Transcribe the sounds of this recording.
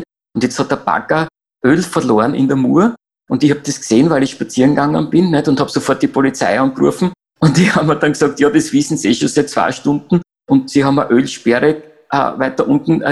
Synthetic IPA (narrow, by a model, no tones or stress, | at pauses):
ʊntjɛt͡sthɑt̚d̥əɐb̥a̰kɐ | ʔøːlfɐɐloːɐnɪ̰ndəmṵːə | ʔʊ̃ntɪçhɑb̚d̥eskseːnvæɪlɪçʃpat͡siːənɡaŋənb̥ɪnːnɛtʊ̃nthɑːbsofɔɐt̚d̥ipʰolit͡sæ̰ɪɑnɡʁṵɐfn̩ | ʊ̃ntihɑbmədɑnksɑk̚tjɑːdesʋisn̩seʃosɛɪtt͡sv̥a̰ɪʃtʊ̃ndn̩ | ʊntsiɦɑmɐ̰ʔølʃpɛʁə | ʔə̰væɪtɐʔʊ̃ntn̩